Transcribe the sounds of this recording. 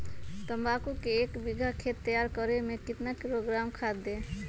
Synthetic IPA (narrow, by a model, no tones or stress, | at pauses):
t̪əmbakukeːkbiɡʱakʰet̪ːəjaɾkɔɾemẽkɪt̪nakiɾoɡɾamkʰad̪e